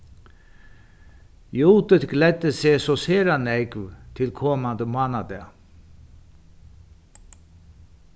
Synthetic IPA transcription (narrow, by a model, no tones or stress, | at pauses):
juːt̪ət̪ɡlɛd̪əseːsɔseːɾɑnɛɪɡʋt̪ʰɪlkʰɔmɑnd̪əmɑːnad̪e